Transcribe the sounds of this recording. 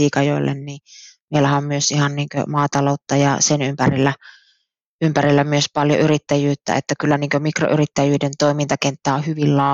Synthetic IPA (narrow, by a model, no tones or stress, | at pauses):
iːkɑjoilːḛnniːmeˑilːæhæommyøsihɑnniːŋkø̰mɑːt̪ɑloˑut̪ːɑjɑ̰senympærilːæ | ympærilːæmyøspɑljo̰yrit̪ːæjyːt̪ːæ̰ḛt̪ːækylːæniːŋkømikro̰ʔyrit̪ːæjyːdent̪oˑimint̪ɑkent̪ːæːohyʋillɑː